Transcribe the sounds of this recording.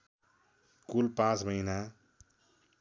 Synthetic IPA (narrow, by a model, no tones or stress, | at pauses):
kulpãt͡smʌjna